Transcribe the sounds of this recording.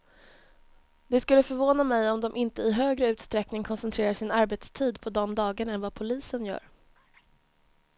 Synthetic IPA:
d̪̥ɛskɵlːəfœɾvoːnamɛjɔmd̪ɔmʔɪnt̪əɪɦøːɡɾəʉ̟ːt̪st̪ɾɛknɪŋkʰɔnsɛnt̪ʰɾeːɾaʂɪnaɾbeːt̪st̪ʰiːd̪pʰɔd̪ɔmd̪ɑːɡəɳɛnvapʰʊliːsənjœ̰ːɾ

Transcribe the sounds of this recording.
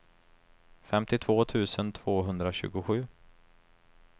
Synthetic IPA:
fɛmt̪ɪt̪ʰvoːt̪ʰʉ̟ːsənt̪ʰv̥oːɦɵnd̪ɾaɕʉ̟̰ːɡʊɧʉ̟ː

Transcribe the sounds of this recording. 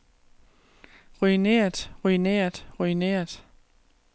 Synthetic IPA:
ʁuineːɐd̥ʁuineːɐd̥ʁuinḛːɐd̥

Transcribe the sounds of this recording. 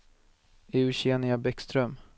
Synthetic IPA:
eːʉɕeːnɪabɛkst̪ɾœm

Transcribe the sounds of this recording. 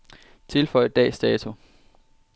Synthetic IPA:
t͡sʰe̝lfɒ̽ɪd̥ɛ̰ːsd̥ɛːt͡sʰu

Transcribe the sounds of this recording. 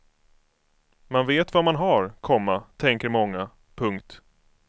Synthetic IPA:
manveːt̪vamanɦaɾkʰɔmːat̪ʰɛŋkəɾmɔŋːa | pʰɵŋkt̪

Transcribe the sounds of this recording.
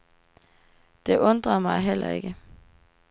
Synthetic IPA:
d̥e̝ʔɔ̽nd̥ʁɐmɑ̈ɪɦel̰ɐ̰e̝ɡ̥ə

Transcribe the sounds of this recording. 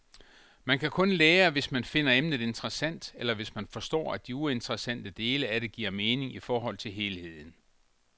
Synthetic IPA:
mænkʰækʰɔ̽nleːɐʋe̝smænfe̝n̰ɐemnð̩ˠe̝nt͡sʁɐsæn̰d̥elɐʋe̝smænfɒ̽sd̥ɒ̰ːæd̥iue̝nt͡sʰʁɐsæn̰d̥əd̥e̝ːləæɾe̝ɡ̥iɐmeːne̝ŋifɒːɦɒ̽l̰t͡sʰe̝lɦe̝ːlhe̝ð̰ˠn̩

